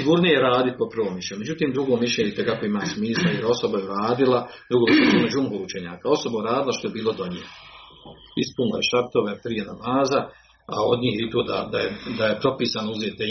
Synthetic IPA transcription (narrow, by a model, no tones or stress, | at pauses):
iɡuːɾnojjeɾaːd̪it̪̚popɾrʋoːmiʃʲeɲumed͡ʒut̪iːmd̪ɾuɡoːmiʃleɲit̪ekakoimaːsmiːslˠaeo̞so̞bajeuɾaːd̪ilˠad̪ɾuɡoːmiʃeeɲomod͡ʒumɦout͡ʃeɲa̰ːkao̞sobauɾaːd̪ilˠaʃt̪oebiːlˠo̞d̪o̞ɲḛːno | ispunla̰je̞ʃaɾt̪oʋepɾijenamaːza | a̰o̞d̪ɲiːhjeit̪oːd̪a̰d̪ajed̪aje̞pɾo̞piːsanouzeːt̪e